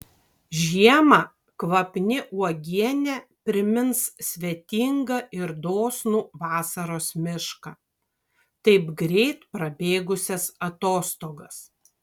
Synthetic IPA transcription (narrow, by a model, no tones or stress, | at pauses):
ʒʲiɛmɐː | kʋɐpʲnʲɪʔuɔɡʲiɛnʲɛpʲɾʲɪmʲɪnssʲʋʲiɛt̪ʲiːŋɡɐɪɾd̪oːsnuːʋɑːsɐɾoːsmʲɪʃkɐ | t̪ɐɪpɡɾʲɛɪt̪pɾɐbʲeːɡʊsʲɛsɐt̪oːst̪oːɡɐs